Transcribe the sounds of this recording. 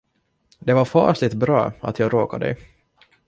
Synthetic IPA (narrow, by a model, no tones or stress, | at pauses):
d̪ɛvaɾfɑ̰ːʂlɪt̪bɾɑ̰ːa̰t̪jɑːɡɾoːkad̪ɛ̰j